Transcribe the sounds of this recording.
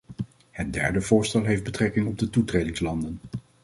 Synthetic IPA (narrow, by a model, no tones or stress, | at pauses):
hət̚dɛ̰ɹdəvʊːɹstɛlˠɦejfd̚bətrɛkɪŋɔb̚dətutrejdɪŋslɑndən